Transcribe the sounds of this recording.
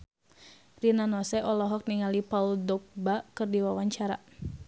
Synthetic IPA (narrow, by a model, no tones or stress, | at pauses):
rinanɔsɛʔɔlɔɦɔk̚niŋalipauldɔk̚bakɨrdiwawaɲt͡ʃaɾa̰